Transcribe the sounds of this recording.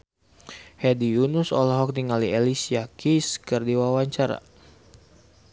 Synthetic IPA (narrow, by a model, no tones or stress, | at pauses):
hɛdijunusɔ̰lɔɦɔk̚niŋalielisiakʰiskɨrdiwawaɲt͡ʃaɾa̰